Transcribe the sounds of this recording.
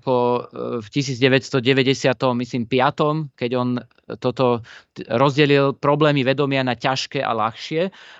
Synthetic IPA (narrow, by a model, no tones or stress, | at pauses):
pɔfcisiːd͡zɟɛʋɛcst̪ɔɟɛʋɛɟɛsɪat̪ɔmːisliːmpɪat̪ɔmkɛɟɔn | t̪ɔt̪ɔɾɔzɟɛlilpɾɔblɛːmiʋɛd̪ɔmɪanacaʃkɛːʔa̰laxʃɪɛ